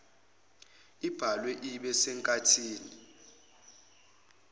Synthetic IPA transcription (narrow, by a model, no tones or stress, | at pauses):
ib̥ʱalwɛʔiɓɛsɛŋkʼatʰiːni